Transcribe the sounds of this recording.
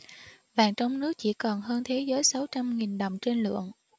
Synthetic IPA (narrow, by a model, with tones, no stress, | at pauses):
vaː˨˩ŋt͡ɕɔ˧wŋ͡mnɨ˦˥ək̚t͡ɕḭ˧˩kɔ˨˩nɦəː˧nt̪ʰe˨˦zəː˨˦jsa˨˦wt͡ɕa˧mŋi˨˩nɗə˨˩wŋ͡mt͡ɕe˧nlɨ̰˧˨əŋ